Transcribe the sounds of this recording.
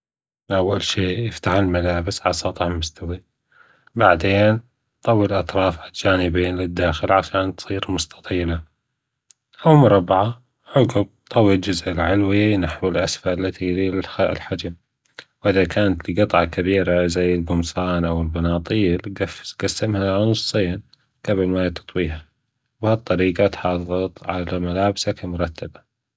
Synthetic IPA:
ʔawːalʃiːjɪft̪aħɪlmalaːbɪsʕɑ̰sˤɑt̪ˤɑħmʊst̪awi | baʕd̪eːn | t̪ˤɑwːilʔɑt̪ɾˤɑːfʕald͡ʒaːnɪbiːnlɪd̪ːaːxɪlʕaʃaːnt̪sˤiːɾmʊst̪ʰɑ̥t̪ˤiːla | ʔawmʊɾˤɑbːʕa | ʕʊɡʊb̚t̪ˤɑwːild͡ʒʊzʔɪlʕɪlwinaħwɪlʔasfalːat̪ilialħad͡ʒam | wʔɪðakʰaːnat̪lɡɨt̪ˤʕɑkabiːɾazajːɪlɡʊmsaːnʔawɪlbɑnɑːt̪ˤiːlɡaɡ̥asːɪmhalʔanʊsˤːɨːan | ɡ̥abɪlmat̪ɑ̥t̪ˤwiːɦa | what̪ˤːɑɾiːɡat̪ħɑːðˤɑt̪ˤʕalamalaːbsakamʊɾˤɑt̪ʰːaba

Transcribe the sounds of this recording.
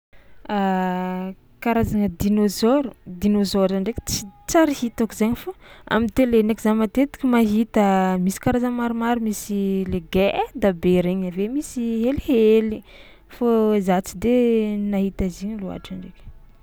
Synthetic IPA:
a | kaɾazaŋəd̪inozoɾud̪inozoɾaɳɖ͡ʐekʲe̥t͡sit͡saɾihit̪akizaɲifoa̰mint̪elenekizamat̪et̪i̥kʲimaɦit̪əmisi̥kaɾazəmaɾumaɾumisileɡed̪abeɾeɲavemisiɦeliheli | fozat͡sid̪enaɦit̪aziɲilua̰ʈ͡ʂaɳɖ͡ʐekʲ

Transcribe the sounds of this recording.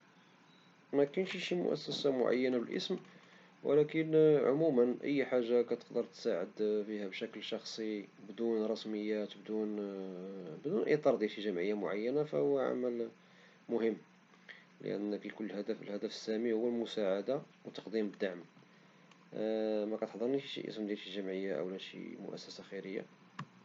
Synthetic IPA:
mækænʃʃimʊ̰ʔæ̰sːæsamʊ̰ʕa̰jːænabəlʔə̰sm | wə̰lækənʕʊ̰mumənʔə̰jːħaʒːakæt̪ə̥qd̪əɾˤt̪saʕə̰d̪fihæbʃækəlʃɑxsˤibd̪unrˤɑsməjːæt̪bd̪un | bd̪unʔəḭjt̪ˤɑɾˤd̪iiʒəmʕəjːamʊʕa̰jːænafæhʊwːæʕa̰mæl | mʊhəmː | lə̰ʔæ̰nːəklkʊlːhæd̪æflhæd̪æfə̥sːæmihʊwːælmʊsaʕad̪a | wt̪ːɑ̥qd̪imbəd̪ːaʕm | mækæt̪əħd̪ˤəɾˤniiʃḭʔə̰səmd̪jælʃiʒəmʕəjːaʔæ̰wlæʃḭmʊ̰ʔæ̰sːæsaxəɾəjːa̰

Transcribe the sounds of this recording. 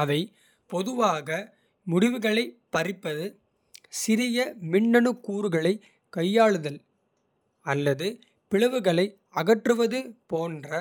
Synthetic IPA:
ɐʋɐɪ | pɔðɯʋaːɣɐ | mʊɽɪʋɯɣɐɭɐɪpɐɾɪpːɐðɯ | sɪɾɪjɐmɪɳːɐɳɯkːuːɾɯɣɐɭɐɪ | kɐjːaːɭɯðɐl | ɐlːɐðɯ | pɪɻɐʋɯɣɐɭɐɪ | ɐɣɐʈrɯʋɐðɯpoːndrɐ

